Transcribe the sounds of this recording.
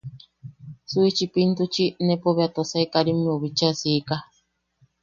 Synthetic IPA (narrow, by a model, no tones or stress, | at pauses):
suit͡ʃipint̪ut͡ʃinẽpoβeat̪osaikaɾimĩoβit͡ʃasiːka